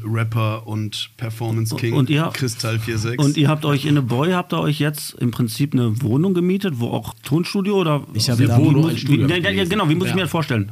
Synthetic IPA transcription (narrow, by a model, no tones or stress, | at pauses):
ʁɛpɐʊntpʰɛɐfɔɐmənskʰɪŋʊntiːɐhakʁ̥ɪstʰalfiːɐzɛkʊntiːɐɦaːp̚tɔʏçɪnəbɔʏhaːp̚td̥aːʔɔʏçjɛt͡stʔɪ̰mpʁ̥ɪnt͡siːpnəvoːnʊŋɡəmiːtətv̥o̰ːʔa̰ʊxtʰoːnʃtuːdjoʔoːdɐvimʊsiaaɡənaʊviːmʊsɪçmiɐjasfoːɐʃtɛlən